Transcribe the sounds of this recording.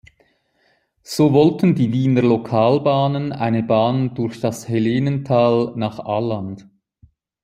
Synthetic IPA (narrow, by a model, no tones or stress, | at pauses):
z̥oːvɔltən̩diːviːnəʁlokʰaːlbaːnəna̰ɪnəbaːnd̥ʊɾçd̥ɑsheleːnəntʰaːlnaːχaːland̥